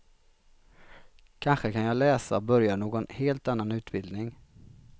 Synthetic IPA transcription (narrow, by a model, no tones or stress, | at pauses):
kʰanɧəkʰanjɑːlɛːsa̰bœɾjaɳoːɡɔnheːlt̪anːanʉ̟ːt̪bɪld̪nɪŋ